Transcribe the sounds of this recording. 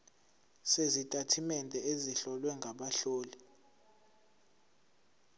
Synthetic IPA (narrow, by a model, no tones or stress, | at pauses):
sezitʼatʰimɛndʱɛeziɬɔlwɛŋɡʱaɓaɬoːli